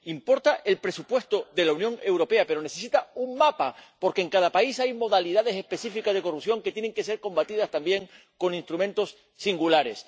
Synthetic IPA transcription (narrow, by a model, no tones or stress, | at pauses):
impo̞ɾt̪aʔe̞lpɾe̞supwe̞st̪o̞ðe̞launjõ̞ŋe̞wɾo̞pe̞ape̞ɾo̞ne̞θe̞s̬it̪auŋmapapo̞ɾke̞ŋkaðapaisajmo̞ðaliðaðe̞se̞spe̞θifikazð̞e̞ko̞rupθjo̞ŋke̞t̪jene̞ŋke̞se̞ɾko̞mbat̪iðast̪ambje̞ŋ | ko̞nĩnst̪ɾumẽ̞nt̪osː | iŋɡulaɾe̞s